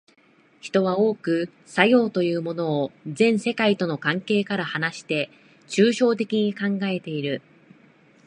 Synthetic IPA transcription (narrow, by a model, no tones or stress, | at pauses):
çi̥t̪o̞β̞ao̞ːkɯ̟ | sajo̞ːt̪o̞jɯ̟ːmo̞no̞ːzẽ̞ɰ̃se̞kait̪o̞no̞kãŋke̞ːkaɾahanaɕi̥t̪e̞ | t͡ɕɨːɕo̞ːt̪e̞kʲiɲ̟ikãŋɡae̞t̪e̞iɾɯ̟